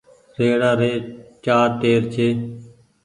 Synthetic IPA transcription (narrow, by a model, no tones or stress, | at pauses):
ɾeːɽaːɾeːt͡ʃaːɾʈeːɾt͡ʃʰeː